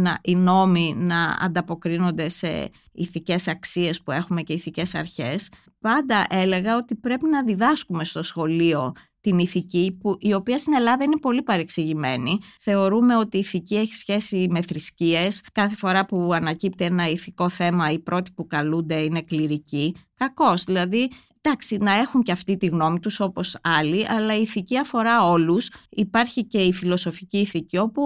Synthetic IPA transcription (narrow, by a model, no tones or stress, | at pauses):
nɐʔino̞minɐɐ̰nd̪ɐpo̞kɾino̞nd̪e̞se̞̰ | ḭθice̞sɐksie̞spue̞xume̞ce̞iθice̞sɐ̰ɾçe̞s | pɐnd̪ɐʔe̞le̞ɣɐo̞t̪ipɾe̞pinɐðiðɐskume̞st̪o̞sxo̞lio̞ | t̪iniθicipuʔio̞piɐst̪ine̞lɐðɐinepo̞lipɐɾeksiʝime̞niθe̞o̞ɾume̞o̞t̪iːθicieçi̥sçe̞sime̞θɾiscie̞skɐθe̞fo̞ɾɐpuɐnɐcip̚t̪ienɐiθiko̞θe̞mɐipɾʔo̞t̪i̥pukɐlund̪e̞ine̞kliɾicikɐko̞zðilɐði | d̪̥ɐksinɐe̞xuɲceɐft̪it̪iɣno̞mit̪uso̞po̞sɐliʔɐlɐiːθiciɐfo̞ɾɐo̞lusipɐɾçice̞ifilo̞so̞ficiːθicio̞pu